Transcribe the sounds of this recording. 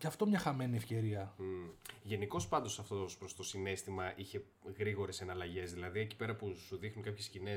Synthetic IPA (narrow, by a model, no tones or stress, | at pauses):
ceɐft̪o̞mɲɐxɐmeniefce̞ɾiɐ | ʝe̞niko̞spɐnd̪o̞sɐft̪oospɾost̪o̞sine̞st̪imɐʔiçe̞ | ɣɾiɣo̞ɾe̞se̞nɐlɐʝe̞zðilɐðie̞ci̥pe̞ɾɐpusuðixnuŋkɐpçe̞scine̞